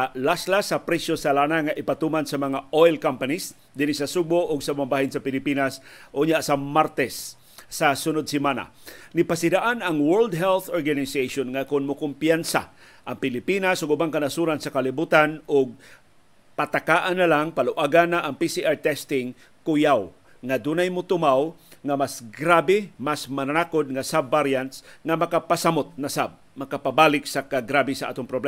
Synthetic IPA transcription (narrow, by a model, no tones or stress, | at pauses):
laslasɐpɾɛsjosalanaŋaʔɪpat̪umansɐmɐŋaojlkampanis | d̪ɪnisɐsuboʔʊɡsɐbabahɪnsɐpɪlɪpinasʔʊɲaʔsamaɾt̪ɛsː | asʊnod̪̚sɪmana̰ | nɪpasɪd̪aʔanɐŋwɛld̪̚ɦɛlθoɹɡanɪsejʃonŋakʊnmʊkʊmpjansa̰ | ʔɐŋpɪlɪpinasʊɡʊbaŋkɐnasuɾansɐkalɪbuːt̪anʊɡ̚ | pat̪akaːʔanːalaŋpalʊʔaɡanːaʔɐŋpisiʔaɹt̪ɛst̪ɪŋ | kʊjaw | ŋad̪uːnajmʊt̪ʊmawŋamasɡɾaːbɪmasmɐnanakod̪̚ŋasabːaɾjant̪sŋamɐkapasamot̪̚nasab̚ | mɐkapabaːlɪk̚sakaɡɾabɪsaʔa̰ːt̪ʊŋpɾoblɛm